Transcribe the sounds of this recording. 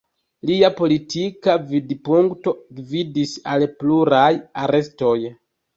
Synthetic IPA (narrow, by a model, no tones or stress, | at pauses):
liapo̞litʰikavidpuŋkto̞ɡvidisalpluɾajaɾe̞sto̞j